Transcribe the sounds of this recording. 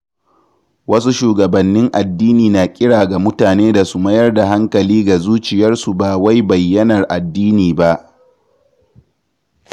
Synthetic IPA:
wɐ˦su˦ʃuː˨ɡɐ˨bɐ˨nːɪ˦ŋʔa˨dːiː˦niː˨na˨kʲʼɪ˦ɽaː˨ɡa˨mʊ˦taː˨neː˦da˨su˦mɐ˦jɐ˦rda˨ɦa˦ŋkɐ˨liː˦ɡa˨zuː˦t͡ʃɪ˨jɐ˦rsu˨baː˨wa˦jbɐ˨jːɐ˦nɐ˨rʔa˨dːiː˦niː˨ba˦ʔ

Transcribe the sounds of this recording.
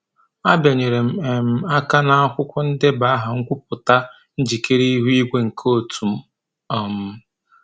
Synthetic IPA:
a˦bja˨ɲe˨ɾe˨m̩˨e˨m̩˨a˦ka˦na˨a˦kʷʊ˦kʷʊ˦n̩˦dɪ˦ba˨˦a˦ɦa˨ŋ̩˦kʷʊ˦p̚ʊ˨ta˦ | n̩˦d͡ʒi˨ke˦ɾi˦i˦ɦu˦i˦ɡʷe˦ŋ̩˨kʰo˦˨tʰu˨m̩˦ | a˨m̩˦

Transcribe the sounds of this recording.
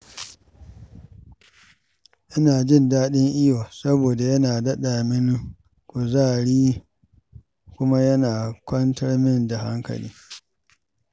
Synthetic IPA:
ʔɪ˦naː˨d͡ʒɪ˦ndaː˦ɗɪ˦ŋʔi˦waː˨sɐ˦boː˨da˨jɐ˦naː˨dɐ˦ɗaː˨mɪ˦n˦ | kʷʊ˨zaː˦˨ɽiː˦ | kʷʊ˦ma˦jɐ˦naː˨kʷɐ˦ntʰɐ˦rmɪ˦nda˨ha̰˦ŋkɐ̰˨liː˦

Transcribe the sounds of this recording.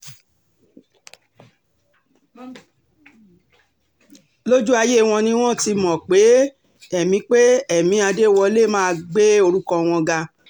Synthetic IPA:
lo˦d͡ʒu˦a˧je˦˨w̃ɔ̃˧nĩ˧w̃ɔ̃˦˨ti˧mɔ̃˨k͡pe˨˦ | ɛ˨mĩ˧˦k͡pe˦ɛ˦˨mĩ˨˦a˧de˦˨wɔ˧le˦˨mãː˦˧ɡ͡be˦o˧ɾũ˦kɔ̃˧w̃ɔ̃˧ɡa˧

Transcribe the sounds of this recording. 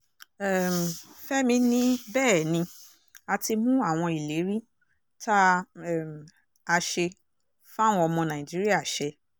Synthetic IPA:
ɛ˦˨m̩˨fɛ˦mĩ˧nĩ˦bɛː˦˨nĩ˧ | a˧ti˧mũ˦a˦˨w̃ɔ̃˧i˨le˨˦ɾi˦ | ta˦˨m˨ | a˧ʃe˧ | fa˦˨w̃ɔ̃˧ɔ˧mɔ̃˧nã˨ĩ˨d͡ʒi˦ɾi˦a˦˨ʃɛ˧

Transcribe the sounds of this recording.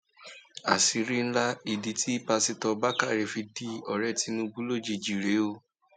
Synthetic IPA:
a̰˨si˨˧ɾi˦n̩˦la˦i˨di˨˦tʰi˦pa˧si˧tɔ˧ba˦ka˦˨ɾe˧˨fi˧di˧ɔ˨ɾɛ˦˨ti˧˦nũ˧ɡ͡bu˦lo˦˨d͡ʒi˧˨d͡ʒi˨ɾe˨˦o˦

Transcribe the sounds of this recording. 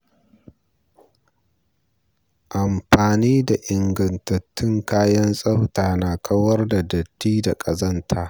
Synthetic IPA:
ʔa˨mɸaː˨niː˦da˨ʔɪ˨ŋɡɐ˨ntɐ˨tːɪ˦ŋkaː˦jɐ˦nsʼɐ˦wtaː˨naː˨kʰɐ˦wɐ˦rda˨dɐ˨tːiː˦da˨kʼɐ˨zɐ˦ntʰaː˦

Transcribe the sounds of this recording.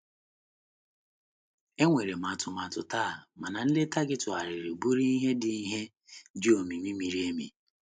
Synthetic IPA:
e˦ŋʷe˨ɾe˨m˨a˨tʊ˨ma˨tʊ˨taː˦˨ma˨na˨n̩˦le˦ta˦ɡɪ˦tʊ˨a˨ɾɪ˨ɾɪ˨bu˦ɾi˦i˦ɦe˦dɪ˦i˦ɦe˦ | d͡ʒi˦o˨mi˨mi˦mi˨ɾi˦e˦mḭ˨

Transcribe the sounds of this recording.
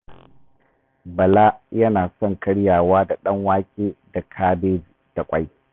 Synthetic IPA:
bɐ˨laː˦jɐ˦naː˨sɔ˦ŋkʰɐ˦ɽjaː˨waː˦da˨ɗɐ˦ŋwaː˦kʲʼeː˦da˨kʰaː˦beː˦di˨d̥a˨kʷʼa˦j

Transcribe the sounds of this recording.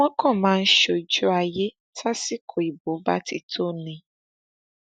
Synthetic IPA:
wɔ̃˦kɔ̃˦˨mãː˦˧n̩˦ʃo˨d͡ʒu˦a˨je˦ | tʰa˦si˦kʰo˨i˨bo˨˦ba̰˦ti˨to˦˨nĩ˨

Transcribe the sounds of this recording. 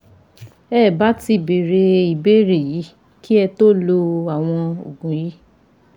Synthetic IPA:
ɛː˦˨ba˦ti˧˨be˨ɾe˧i˨be˦ɾe˨ji˨˦ | ki˦ɛ˧to˦lo˧a˨w̃ɔ̃˧o̰˨ɡũ˨ji˨˦

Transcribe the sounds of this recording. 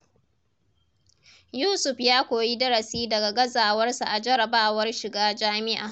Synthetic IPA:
juː˦sʊ˨ɸjaː˦kʷoː˨ji˦dɐ˦ɾɐ˨siː˦dɐ˨ɡa˨ɡɐ˦zaː˨wɐ˦rsa˨ʔa˨d͡ʒɐ˦ɾɐ˨baː˦wɐ˦rʃɪ˨ɡaː˦d͡ʒaː˦mɪ˦ʔa̰ː˨

